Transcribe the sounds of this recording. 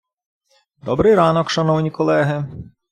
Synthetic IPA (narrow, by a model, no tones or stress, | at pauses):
d̪ɔbɾɪjɾɑnɔkʃɐnɔwnʲikɔlˠɛɦɪ